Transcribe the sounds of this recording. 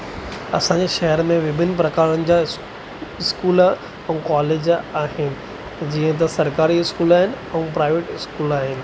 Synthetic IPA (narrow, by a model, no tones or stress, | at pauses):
ɐ̰sãːɲd͡ʑeʃɐɦəɾmẽʋɪbʱɪnpɾɐkaːɽənɪ̆d͡ʑa | ɪskuːl | ɛ̃kɔːleːd͡ʑaːɦɪnɪ̆ | d͡ʑiːə̃t̪̬ɐsɐɾkaːɾiɪskuːlaːɦɪnɪ̆ | ɛ̃ːpɾaːɪʋeːʈɪskuːlaːɦɪnɪ̆